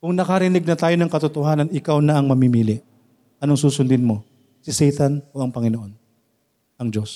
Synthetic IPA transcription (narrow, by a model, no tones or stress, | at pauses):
kʊŋnɐkɐɾɪnɪɡ̚nɐt̪aːjo̞nɐŋkɐt̪ʊt̪ohaːnɐnɪkawnɐʔɐŋmɐmiːmiːlɪʔ | ʔɐnoŋsuːsʊnd̪ɪnmo̞ | sɪsɛjt̪ɐnoʔɐŋpɐŋɪnoʔo̞n | ʔɐŋd͡ʒo̞s